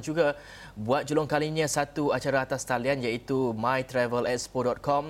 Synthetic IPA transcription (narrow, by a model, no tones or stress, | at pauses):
nd͡ʒuɡa | buat̪̚d͡ʒolʊŋkaliɲãsat̪uat͡ʃaɾaːt̪ast̪alianjait̪umãjt̪ɾɛvəlɛt̪̚spodɔt̪̚kɔm